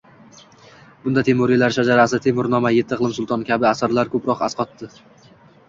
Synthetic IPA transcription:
b̥ʊnd̪at̪ʰe̞mʊɾilaɾʃad͡ʒaɾasɪt̪ʰe̞mʊɾnɒmajet̪ʰːɨqlˠɪmsʊlˠt̪ʰɒnkʲʰabɪasaɾlaɾkʰɵpɾɒqa̰sqʰɒt̪ːɪ

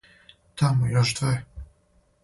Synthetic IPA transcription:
t̪ʰamujɔʒd̪vɛ

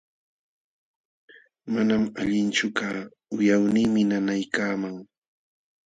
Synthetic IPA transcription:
manamaʎɪnt͡ʃʊkaː | ʊjawnɪŋmɪnanajkaːmaŋ

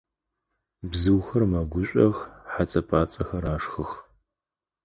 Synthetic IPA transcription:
bzɨwxɐrmɐɡʷʊɕʷʼɐɣħat͡sʼɐpʰaːt͡sʼɐxɐɾaːʂxɨx

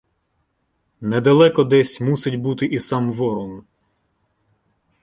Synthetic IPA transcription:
nɛd̪ɐlˠɛkɔd̪ɛsʲmusɪtʲbut̪ɪʔisɑmʋɔɾun

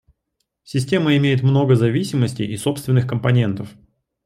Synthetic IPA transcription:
sʲɪsʲtʲe̞məɪmʲejɪt̪mno̞ɡəzɐvʲisʲɪməsʲtʲɪ̰jʔɪso̞pst̪vʲɪnːɨxkəmpɐnʲe̞nt̪əf

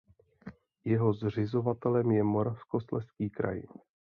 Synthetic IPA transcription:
jɛɦo̞zr̝ɪzo̞vat̪ɛlɛmjɛmoɾafsko̞st̪lɛskiːkɾa̰j

